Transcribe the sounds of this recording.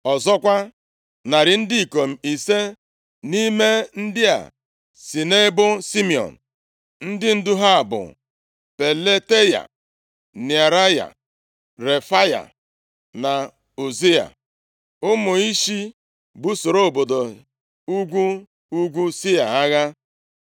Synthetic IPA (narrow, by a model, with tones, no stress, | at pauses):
ɔ˨zɔ˦kʷa˦ | na˨ɾɪ˨n̩˦di˦i˨ko˨m̩˨i˨se˦ | ni˦me˦n̩˦dɪ˦a̰˨ | si˨ne˦bʊ˦si˦mi˨ɔ̰˨n̩˨ | n̩˦dɪ˦n̩˦dʊ˦ɦa˦˨bʊ̰˨ | pe˨le˦te˦ja̰˨ | ni˨a˨ɾa˦ja̰˨ | ɾe˨fa˦ja̰˨ | na˨ | u˨zi˦a̰˨ | ʊ˦mʊ˨i˦ʃi˦ | bu˦so˨ɾo˦o˨bo˨do˨ | u˦ɡʷu˦ | u˦ɡʷu˦si˦a̰˨a˦ɣa˦